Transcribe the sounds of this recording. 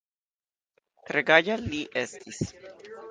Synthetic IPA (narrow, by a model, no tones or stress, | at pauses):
kɾeɡaʎaliʔest̪ʰis